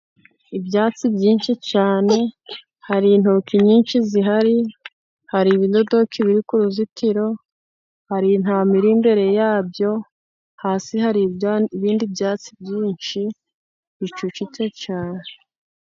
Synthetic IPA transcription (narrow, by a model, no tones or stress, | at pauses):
ibjaːt͡sibɟiːnʃit͡ʃaːne̞ | haɾin̥okiɲiːnʃiziɦaɾi | haɾiβido̞do̞kʰiβiɾikuɾuzitʰiɾo̞ | haɾin̥haːmiɾimbe̞ɾe̞jaːbjo̞ | haːsiɦaɾiβiːndibjaːt͡sib̚ɟiːnʃi | βit͡ʃut͡ʃit͡ʃet͡ʃaːne